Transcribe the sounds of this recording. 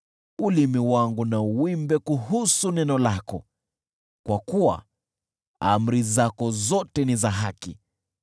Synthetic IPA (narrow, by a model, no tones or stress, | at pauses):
ulimiwaŋɡunauwimbɛkuɦusunɛnɔlakɔ | kwakuwa̰ | am̩ɾizakɔzɔtɛnizaɦaki